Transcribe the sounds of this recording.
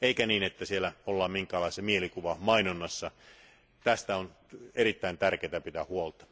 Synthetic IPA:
eikæniːnet̪ːæsielæolːɑːmmiŋkæːlɑˑisɑmielikuʋɑmɑinonːɑsːɑ | t̪æst̪æon | eɾit̪ːæint̪ærkeːt̪æpit̪æhuolt̪ɑ̥

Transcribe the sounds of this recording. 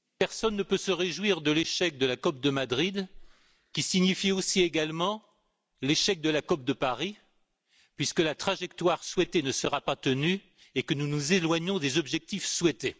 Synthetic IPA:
pɛʁsɔnːəpøsəʁeʒwiʁd̪əleʃɛk̚d̪əlakɔp̚d̪əmad̪ʁid̪ | kʲisiɲifiosieɡalmɑ̃ | leʃɛk̚d̪əlakɔp̚d̪əpaʁi | pɥiskəlat̪χaʒɛkt̪waʁswɛt̪enəsəʁapat̪əny | ekənunuzelwaɲɔ̃d̪ezɔbʒɛk̚t̪ifswɛt̪e

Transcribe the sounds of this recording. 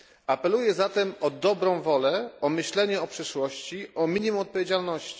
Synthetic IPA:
apɛlujɛzat̪ɛmɔd̪ɔbɾɔ̃w̃vɔlɛɔmɘɕlɛɲɛɔpʂɘʂwɔɕt͡ɕiʔɔmʲiɲimumɔt̪̚pɔvʲjed͡ʑalnɔɕt͡ɕi̥

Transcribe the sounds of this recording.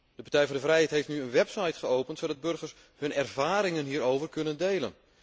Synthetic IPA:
d̥əpaɹtɛjvɔndəvrɛjɦɛjtɦejftnyənʋɛpsajtχəowpəntsoːdɑd̚bɵrɣərs | hɵnɛrvaːɾɪŋənɦiːɾowvərkɵnəndejlə̰n

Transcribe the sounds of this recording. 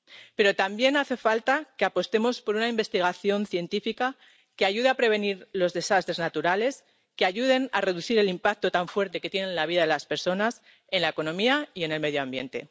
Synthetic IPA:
pe̞ɾo̞t̪ambje̞naθe̞falt̪ake̞apo̞st̪e̞mo̞spo̞ɾunaimbe̞st̪iɣ̞aθjo̞nθje̞nt̪ifika | ke̞aʝuðeapɾe̞βe̞niɾlo̞zðe̞sast̪ɾe̞znat̪uɾale̞s | ke̞aʝuð̞e̞na̰re̞ðuθiɾe̞limpak̚t̪o̞t̪aɱfwe̞ɾt̪e̞ke̞t̪je̞nẽ̞nlaβiðaðelaspe̞ɾso̞nas | e̞nlaeko̞nõ̞miaie̞ne̞lme̞ðjoambje̞̰nt̪e̞̰

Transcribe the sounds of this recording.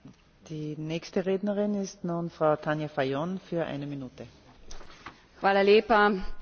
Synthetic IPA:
d̥iːnɛːçstəʁeːdnɐʁɪnɪstnuːnfʁaʊtʰanjafajonfyːɐʔa̰ɪnəminuːtə | xʋaːlaleːpa

